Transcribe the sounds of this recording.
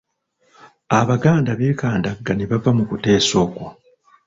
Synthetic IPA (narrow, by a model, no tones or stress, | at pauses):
aβaɡaːndaβe̞ːkaːndaɡːaneβavamukute̞ːso̞ːko